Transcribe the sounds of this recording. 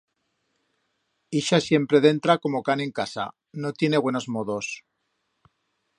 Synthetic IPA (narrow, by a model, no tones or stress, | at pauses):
iʃasje̞mpɾe̞ð̞e̞nt̪ɾako̞mo̞kane̞ŋkasa̰ | no̞t̪je̞ne̞βwe̞no̞zmoðo̞s